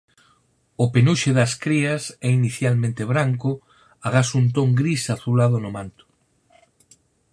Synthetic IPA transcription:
ʊpenuʃeðɐskɾiɐsɛiniθjalmẽnt̪eβ̞ɾaŋkʊ | aɣ̞asunt̪̬oŋɡɾisaθulaðʊnʊmãnt̪ʊ̥

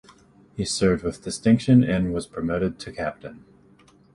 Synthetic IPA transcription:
hisɜ˞vd̚wɨðdɨstɪ̃ŋkʃɨ̃nɨ̃nwʌz̥pʰəmoʊɾɨd̚tʰɨkʰæp̚tɨ̃n

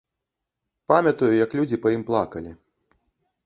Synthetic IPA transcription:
pamʲɐt̪ujujɐklʲud͡zʲipɐjimplˠakɐlʲi

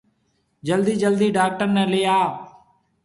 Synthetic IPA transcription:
d͡ʒəld̪iːd͡ʒəld̪iːɖaːk̚ʈəɾnɛ̃ːlɪjaː

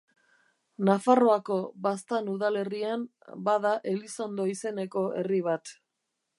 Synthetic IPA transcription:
nafaro̞ako̞bast̪anuðale̞riam | bað̞aʔe̞lisand̪o̞ise̞ne̞ko̞ʔe̞̰riβ̞at̪

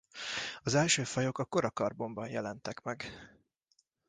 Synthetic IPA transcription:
ɒzɛlʃøːfɒjo̞kɒko̞ɾɒkɒrbo̞mbɒnjɛlɛnt̪ɛkmɛɡ

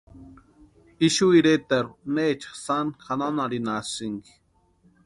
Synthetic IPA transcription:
iʃuiɾet̪eɾuneːt͡ʃḁχsanxananaɾinasiŋɡi̥

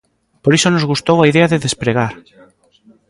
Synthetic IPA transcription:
poɾisonozɣust̪owaiðeaðɪðespɾeɣaɾ

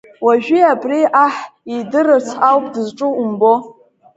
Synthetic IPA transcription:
waʒᶣiabʼriʔaħidɨrɨrt͡sʰawpʼdɨzʈ͡ʂʼuumbo

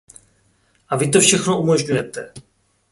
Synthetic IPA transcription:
ʔavɪt̪o̞fʃɛxno̞ʔumo̞ʒɲujɛt̪ɛ

